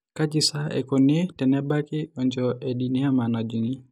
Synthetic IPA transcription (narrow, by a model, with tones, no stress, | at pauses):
ka˦d͡ʒi˨sa˦ɛ̰˨kɔ˨ne˦tɛ˨nɛ˦ba˦kɪ˦ɔ˨ɲd͡ʒɔʔɛ˨ɗi˨ni˦a˦ma˨na˨d͡ʒu˨ŋi˦